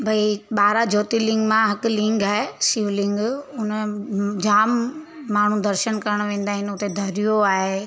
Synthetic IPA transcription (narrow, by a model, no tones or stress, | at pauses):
bʱɐiɓaːɾad͡ʑʱoːt̪ilɪ̃ŋɡmãɦɐkʊ̆lɪ̃ŋɡaːɦesiːʋlɪ̃ŋɡʊnd͡ʑaːmː | aːɳ̤ũd̪ɐɾʃənkɐɾəɽ̃ʋẽːn̆d̪aːɦɪnɪʊt̪ed̪ʱɐɾijoaːɦe